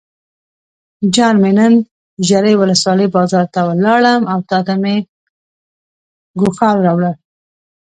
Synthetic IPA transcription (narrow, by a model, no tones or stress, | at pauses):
d͡ʒɑnmenən | ʒaɾejwʊləswɑləjbɑzɑɾt̪awəlɑɭəmawt̪ɑd̪ame | ɡʊxɑlɾɑwɽə